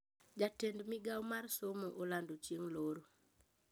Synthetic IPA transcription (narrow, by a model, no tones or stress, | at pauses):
d͡ʒatendmɪɡawmarsomoʔolandot͡ʃieŋloɾo